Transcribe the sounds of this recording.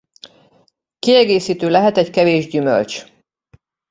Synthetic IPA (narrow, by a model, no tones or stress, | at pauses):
kiɛɡeːsiːt̪øːlɛɦɛt̪ɛɟkɛveːʒɟymø̰lt͡ʃ